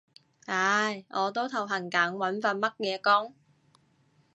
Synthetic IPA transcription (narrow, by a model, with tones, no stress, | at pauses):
aː˨˧˥jʔɔː˨˧t̪o˥wt̪ʰɐ˨˩wɦɐ˨˩ŋkaː˨˥ŋwɐ˨˥nfɐ˧nmɐ˥t̚jɛː˨˧kɔː˥ŋ